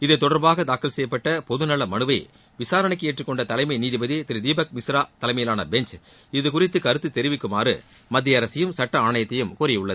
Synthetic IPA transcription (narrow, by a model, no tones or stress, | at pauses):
ɪðɐɪt̪ːɔɽɐɾbaːɣɐd̪aːkːɐlsɛjɐpːɐʈːɐpɔðɯnɐɭːɐmɐnɯʋɐɪ | ʋɪsaːɾɐɳɐɪkːɯeːʈrɯkːɔɳɖɐt̪ɐlɐɪmɐɪniːðibɐðit̪ɪɾɯd̪iːbɐk̚mɪsɾaːt̪ɐlɐɪmɐjɪlaːnɐbɛɲt͡ʃ | ɪðɯkʊrɪt̪ːɯkɐɾɯt̪ːɯt̪ːɛɾɪʋɪkːɯmaːɾɯ̰ | mɐd̪ːɪjɐɾɐsɪjɯmsɐʈːɐaːɳɐjɐt̪ːɐjɯmkuːɾɪʊɭːɐð